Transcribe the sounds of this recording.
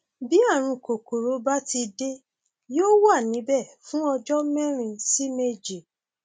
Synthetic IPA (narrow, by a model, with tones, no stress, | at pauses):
bi˨˦a˦˨ɾ̃ũ˧ko˨ko˨ɾo˨˦ba˦ti˧de˦ | joː˦wa˦˨nĩ˨˦bɛ˦˨fũ˦ɔ˧d͡ʒɔ˦mɛ̃˦ɾ̃ĩ˧si˦me˦d͡ʒi˨